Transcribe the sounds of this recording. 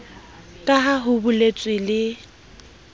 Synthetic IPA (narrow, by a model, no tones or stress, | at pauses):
kʼaɦaɦʊbʊlet͡sʼwɪlɪ